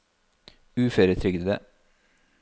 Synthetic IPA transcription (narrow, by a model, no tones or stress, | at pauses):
ʉːfœɾət̪ʰɾʏɡd̪ə̰